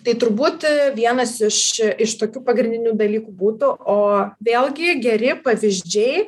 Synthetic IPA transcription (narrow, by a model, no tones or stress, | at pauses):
t̪ɐɪt̪ʊɾbuːt̪ʋʲiɛnɐsɪʃɪʃt̪oːkʲuːpɐɡɾʲɪndʲɪnʲuːd̪ɐlʲiːkuːbuːt̪ʊʔoːʋʲeːlˠɡʲɪɡʲɛɾʲɪpɐʋʲɪzʲd͡ʒʲɛɪ